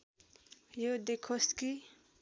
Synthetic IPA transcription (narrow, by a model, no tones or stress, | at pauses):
jod̪ekʰoski